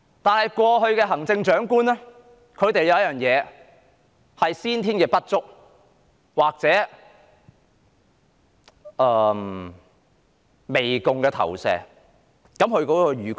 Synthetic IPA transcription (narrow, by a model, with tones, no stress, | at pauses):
t̪aː˨nhɐ˨jkwɔː˧ɦɵ˧ɥkɛː˧ɦɐ˨˩ŋt͡sɪ˧ŋt͡ʃœː˨˥ŋkuː˥nɛ˥ | kʰɵ˨˧ɥt̪e˨jːɐ˨˧wjɐ˥jœː˨ŋjɛː˨˧ | hɐ˨jsiː˥nt̪ʰiː˥nkɛː˧pɐ˥t̚t͡sʊ˥k̚ | waː˨˩k̚t͡sɛː˨˥ | ʔɛː˧m | me˨jkʊ˨ŋkɛː˧t̪ʰɐ̰˨˩wsɛ̰ː˨ | kɐ˨˥mhɵ˧ɥkɔː˨˥kɔː˧ɥyː˨k